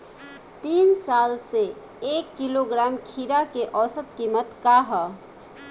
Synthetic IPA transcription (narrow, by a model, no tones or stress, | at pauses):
t̪iːnsalse | ekːiloɡɾamkʰiɾakeʔɔːsət̪kimət̪kaɦə